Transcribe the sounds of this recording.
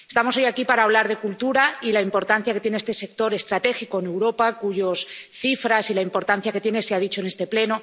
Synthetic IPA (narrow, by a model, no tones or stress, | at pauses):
e̞st̪amoso̞jakipaɾaːβ̞laɾðe̞kult̪uɾailaimpo̞ɾt̪an̟θjaket̪je̞neest̪ese̞k̚t̪o̞ɾe̞st̪ɾat̪e̞xiko̞ene̞wɾo̞pakuʝo̞sθifɾasilaimpo̞ɾt̪an̟θjake̞t̪je̞ne̞seaðit͡ʃo̞ene̞st̪e̞ple̞no̞